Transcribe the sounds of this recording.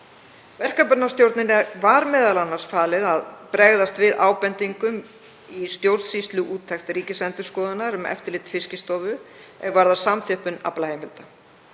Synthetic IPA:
vɛr̥kapʏnast̪jowɾt̪nɪnːavaɾmɛːðalanːaɾ̥sfaːlɪðaðpɾɛɣðast̪vɪðʔaːwpɛnt̪iŋkʏm | ist̪jowɾðsist̪lʏʔuːt̪ʰːɛxt̪ɾiːcɪsɛnt̪ʏɾ̥skɔːðʏnaɾʏmɛ̰ft̪ɪɾlɪːt̪fɪscɪst̪ɔːvʏ | ɛɣvaɾðḁsamθʰɛhpʏna̰plaheːjmɪlt̪a

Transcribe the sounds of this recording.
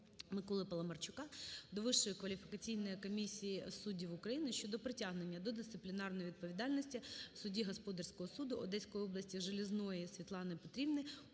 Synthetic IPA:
mɪkɔlˠɪpɐlˠɐmɐrt͡ʃʊkɑd̪ɔʋɪʃːɔjʊkʋɐlʲifʲɪ̥kɐt͡sʲijnɔjikɔmʲisʲijisudʲiwʊkɾɐjinɪʃt͡ʃɔd̪ɔpɾɪtʲaɦnenʲːɐd̪ɔd̪ɪsɪplʲɪnɑrnɔjʋʲid̪̚pɔʋʲid̪ɑlʲnɔsʲtʲiwsʊdʲiɦɔspɔd̪ɐrʲsʲkɔɦɔsud̪ʊɔd̪ɛsʲkɔjɔblˠɐsʲtʲiʒelʲɪznɔjisʲʋʲit̪lˠɑnɪpɔt̪ɾʲibnɪ

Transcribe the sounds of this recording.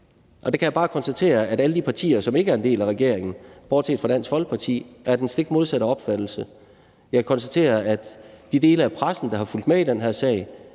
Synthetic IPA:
ʔɒ̽d̥ekʰæjɑ̈bɑ̈ːkʰɒ̽nsd̥æt͡sʰe̝̰ːɐæɾæləd̥ipʰɑ̈t͡sʰḭːɐsɒ̽me̝ɡəæɐe̝nd̥e̝̰ːlæʁɛɡ̥e̝ɐ̰eŋn̩b̥ɒːd̥sʰḛːd̥fɒd̥æn̰sɡ̥ʋɒ̽lɡ̥̚pʰɑ̈t͡sʰḭːæɐd̥ensd̥e̝ɡ̥mo̝ð̞ˠsæɾɐɒ̽b̥fæd̥l̩sə | jɑ̈kʰækʰɒ̽nsd̥æt͡sʰe̝̰ːɐæd̥d̥id̥e̝ːləæpʰʁasn̩d̥ɑ̈hɑ̈ful̰d̥meid̥enɦæɐsɛ̰ːɪ

